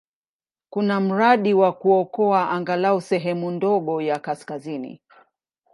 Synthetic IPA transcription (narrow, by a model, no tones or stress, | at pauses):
kunam̩ɾaɗiwakuɔkɔaʔaŋɡalausɛɦɛmundɔɠɔjakaskazinḭ